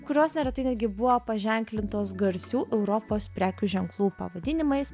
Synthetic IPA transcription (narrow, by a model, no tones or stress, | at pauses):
kʊɾʲoːsnʲɛɾʲɛt̪ɐɪnʲɛd̪ʲɡʲɪbʊʋoːpɐʒʲɛŋʲklʲɪnt̪oːsɡɐɾʲsʲuːʔɛʊɾopoːspʲɾʲæːkʲuːʒʲɛŋklˠuːpɐ̰ʋɐd̪ʲɪnʲɪmɐɪs